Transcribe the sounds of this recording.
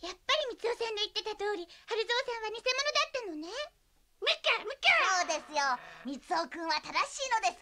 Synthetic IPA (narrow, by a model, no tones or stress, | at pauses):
japːaɾʲimʲit͡sɨo̞sẽ̞nd̪e̞it̪ːe̞t̪at̪o̞ːɾʲihaɾɯ̟zo̞ːsẽɰ̃βaɲ̟ise̞mo̞no̞d̪at̪ːano̞ne | mɯ̟kamɯ̟kaoːd̪e̞sɨjomʲit͡sɨokɯ̟̃ɰ̃βat̪ad̪aɕiːno̞d̪e̞sɨ̥